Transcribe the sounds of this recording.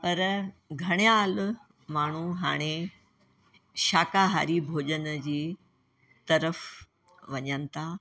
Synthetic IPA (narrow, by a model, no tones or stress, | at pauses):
pɐɾɡʱɐɽ̃jaːl | maːɳ̤uɦa̰ːɽ̃e | ʃaːkaɦa̰ːɾibʱoːd͡ʑənd͡ʑiː | t̪ɐɾəf | ʋɐɲənɪt̪a